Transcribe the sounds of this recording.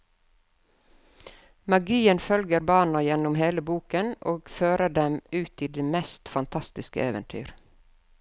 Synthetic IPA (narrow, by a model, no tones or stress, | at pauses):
mɑɡiːənfœlɡəɾbɑːnɑjɛnʊmheːləbuːkənʔoːɡføːɾəɖɛmʉːt̪iːd̪eːmɛst̪fɑnt̪ʰɑst̪ɪskə̰eːʋə̰nt̪ʰy̰ːɾ